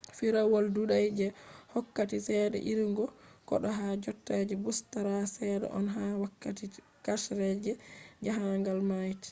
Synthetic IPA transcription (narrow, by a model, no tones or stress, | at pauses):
fiɾawɔlduɗajd͡ʒɛhɔkːatisɛːɗɛ̰ʔiɾiŋɡɔkɔ̰ɗɔɦad͡ʒɔtːad͡ʒɛbustaɾasɛːɗɛ̰ʔɔnɦawakːati | kaʃɾɛd͡ʒɛd͡ʒaɦaŋɡalmajti̥